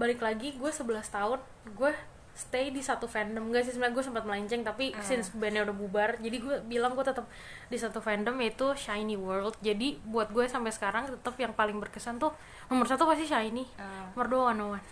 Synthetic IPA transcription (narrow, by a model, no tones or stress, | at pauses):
balɪklaɡiɡuasəbəlast̪aʊn | ɡua | sə̥t̪ejdisat̪ufɛndəmŋɡaʔsɪsmlaɡuasəmpat̪̚məlaiɲt͡ʃɛŋt̪apisɪnsbanaudahbubard͡ʒadiɡuabilaŋɡuat̪ət̪əp̚ | disat̪ufɛndəmjait̪uʃajniwərld̪̚d͡ʒadibuat̪̚ɡuasampajsə̥kaɾaŋt̪ət̪əpjaŋpalɪŋbərkəsant̪ʊh | nomərsat̪upas̬t̪iʃajnimərdoanowan